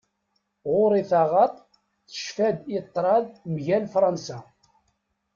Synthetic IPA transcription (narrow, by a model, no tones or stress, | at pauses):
ʁʊɾiθɑʁɑt̪ˤ | θə̥ʃfæd̪it̪ˤːɾˤɑðmʝælfɾˤɑnsæ